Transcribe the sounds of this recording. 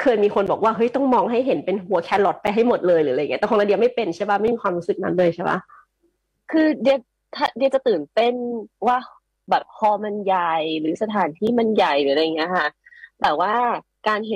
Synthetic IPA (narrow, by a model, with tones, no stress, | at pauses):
kʰɤː˧jmiː˧kʰo˧nbɔː˨˩k̚waː˥˩ɦɤ˦˥jt̪ɔ˥˩ŋmɔː˧ŋɦa˥˩jɦe˩˦npe˧nɦu˨˩˦ɐkʰɛː˦˧˥lo˦t̪̚pa˧jɦa˥˩jmo˨˩t̪̚lɤː˧jlɯː˩˦ɾa˧jŋː˦˥˩ɛː˩kŋlaː˧˥di˧wma˥˩jpe˧nt͡ɕʰa˥˩ba˦˥ma˥˩jmiː˧kwaː˧mɾu˦˥sɯ˨˩k̚na̰˦˥nlɤː˧jt͡ɕʰa˥˩ba̰˦˥ | kʰɯː˧di˧ə˧w | t̪ʰaː˥˩di˧wt͡ɕa˨˩t̪ɯː˨˩np̪e˧˥˩nwaː˥˩ | bɛː˨˩p̚kʰɔː˧ma˧nja˨˩jɾɯː˩˦sa˧t̪ʰaː˨˩˦nt̪ʰiː˥˩ma˧nja˨˩jlɯː˩˦la˧jŋːi˦˥ɐ˧kʰa˥˩ | t̪ɛː˨˩waː˥˩ | kaː˧nhe˨˦